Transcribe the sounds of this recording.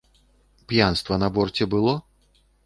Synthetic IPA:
pjanst̪vɐnɐbɔrt͡sʲɛbɨlˠɔ

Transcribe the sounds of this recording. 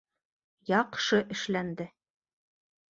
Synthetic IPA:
jɑqʃɤʔɘ̆ʃlænd̪ɘ

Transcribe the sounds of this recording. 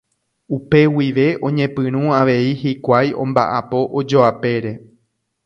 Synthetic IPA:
upe̞wiʋe̞ʔõ̞ɲẽ̞pɨ̃ɾ̃ũaʋe̞ihikʷajõ̞mba̰ʔapo̞ʔod͡ʒo̞ape̞ɾe̞

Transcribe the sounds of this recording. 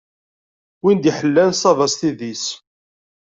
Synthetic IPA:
wind̪iħəlːænsˤɑvɑsθiðis

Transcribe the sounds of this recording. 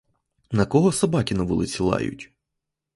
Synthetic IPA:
nɐkɔɦɔsɐbɑkʲinɐʋʊ̰lˠɪt͡sʲilˠɑ̰jʊ̰tʲ

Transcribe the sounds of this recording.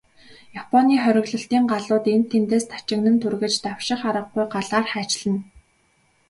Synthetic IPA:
japʰɔniːχœɾʲɪ̆ɣɮɞ̆ɬt̪iːŋɢaɮʊːt̪em̥t̪ʰːent̪eːst̪ʰḁt͡ɕɪ̆knɘ̆nt̪ʰurɣɘ̆t͡ɕt̪awʃɪ̆χaɾə̆qɡujɢaɮaːrχæːt͡ɕɮɘ̆n

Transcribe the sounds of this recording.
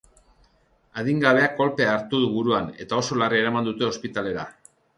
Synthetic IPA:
aðiŋɡaβe̞ako̞lpe̞aːɾt̪uðuβuɾuane̞̰t̪ao̞so̞larie̞ɾamand̪ut̪e̞o̞spit̪ale̞ɾa̰

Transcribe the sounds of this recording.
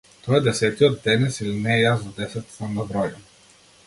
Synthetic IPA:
t̪ɔɛd̪ɛsɛt̪iɔt̪̚ːɛnɛsilinɛjasvɐd̪ɛsɛt̪sɐmnɐbɾɔjə

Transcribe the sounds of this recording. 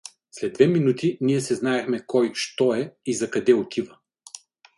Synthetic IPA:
slɛd̪ːvɛminut̪iniɛsɛznaɛxmɛkɔjʃt̪ɔɛizɐkɐd̪ɛot̪ʰivɐ

